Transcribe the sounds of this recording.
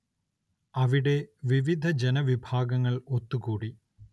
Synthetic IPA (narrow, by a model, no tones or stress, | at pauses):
ɐʋiɽe̞ʋiʋid̪ʱɐd͡ʑenɐʋibʱaːɡɐŋːɐɭot̪ːukuːɽi